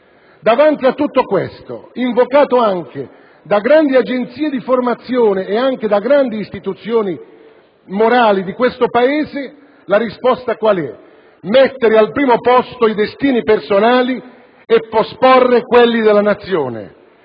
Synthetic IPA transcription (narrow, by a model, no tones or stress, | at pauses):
d̪avant̪iat̪ːut̪ːokwest̪o̰iɱvokaːt̪oaŋk̟e | d̪aɡɾand̪iad͡ʒent̪siːed̪iformat̪sːjoːneːaŋk̟ed̪aɡɾand̪iːst̪it̪ut̪sjoːni | moɾaːlid̪ikwest̪opaeːze | laɾispɔst̪akwalɛ | mɛt̪ːeɾɪalpɾiːmopɔst̪oid̪est̪iːnipersonaːli | epːospɔrːekwelːid̪elːanat̪sːjoːnḛ